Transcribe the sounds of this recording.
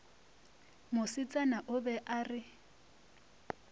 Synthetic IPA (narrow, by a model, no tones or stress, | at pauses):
mʊsɪt͡sʼanaʔʊbɛʔaːrɪ